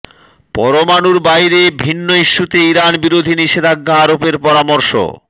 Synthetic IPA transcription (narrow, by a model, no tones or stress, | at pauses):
pɔɾomanuɾbajɾebʱinːoiʃːut̪eiɾanbiɾod̪ʱiniʃed̪ʱaɡːaaɾopeɾpɔɾamoɾʃo̰